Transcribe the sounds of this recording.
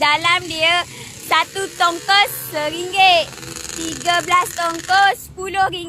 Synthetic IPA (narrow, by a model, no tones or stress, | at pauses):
dalamdiə | sat̪ut̪ɔŋkɔsːəɾiŋɡet̪iɡəblast̪ɔŋkɔspulohriŋ